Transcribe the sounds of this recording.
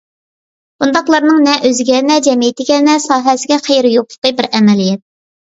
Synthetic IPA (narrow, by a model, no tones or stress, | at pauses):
b̥und̪ɑqlˠɑɾnɨŋnɛʔøzɡʲɛnɛd͡ʒɛmijɪt̪ɪɡʲɛnɛsɑːɦɛsɪɡʲɛχejɾɪjoqlˠə̥qəbɪɾɛmɛlijɛt̪̚